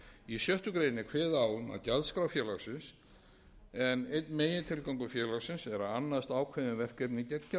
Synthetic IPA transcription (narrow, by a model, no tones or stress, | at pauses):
isjœht̪ʏkɾeːjnɪkʰvɛːðaːwʏma̰ðcaðskɾawfjɛːlawsɪns | ɛnejt̪nmeːjɪt̪ʰɪlkawŋkʏfjɛːlawsɪnsɛɾaanːast̪aːwkʰvɛðɪvɛr̥kɾɛpnicɛɲːa